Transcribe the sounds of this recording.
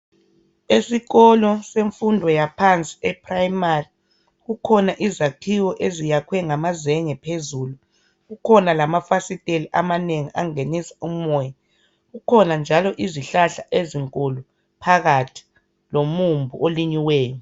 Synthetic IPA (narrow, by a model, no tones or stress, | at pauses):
esiɣɔlɔseɱfundʱɔjapʰant͡sʼi̥ɛpʰrajmari | ɣukʰɔnaʔizakʰiwɔʔezijakʰwɛŋamazɛŋɛpʰezuːlu | ɣukʰɔnalamafasitʼeliʔamaneŋiʔaŋenisḁum̩ɔja | ɣukʰɔnand͡ʒʱalɔʔiziɬaɬaʔeziŋkʼolu | pʰaɣatʰi̥ | lomumbʱṵoliɲiwɛːjɔ